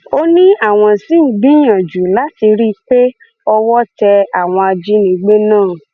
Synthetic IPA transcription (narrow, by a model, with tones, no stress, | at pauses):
o˦nĩ˦a˦˨w̃ɔ̃˧si˨˦n̩˨˦ɡ͡bĩ˦j̃ã˨d͡ʒu˨la˨˦ti˧ɾi˦k͡pe˦ | ɔ˧wɔ˦tɛ˧a˦˨w̃ɔ̃˧a˧d͡ʒi˦nĩ˨˦ɡ͡be˦nãː˦˨